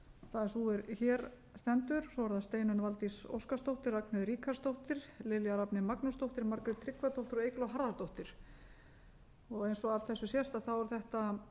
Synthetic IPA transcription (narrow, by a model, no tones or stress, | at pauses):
θaðɪsuɛɾçɛːɾ | st̪ɛnt̪ʏɾsɔvɔɾθast̪eːjnʏnvalt̪iso̰wskast̪owht̪ɪɾaknɪðɾiːkʰast̪owht̪ɪɾlɪljaɾapnɪmaknʏst̪owht̪ɪɾmaɾkɾʏt̪ʰɾɪkvat̪owht̪ɪɾɔeːjklaɦaɾðaɾt̪owht̪ɪɾ̥ | ɔɣejnsɔavθɛsːʏsjɛst̪aθavɔɾʏθɛht̪a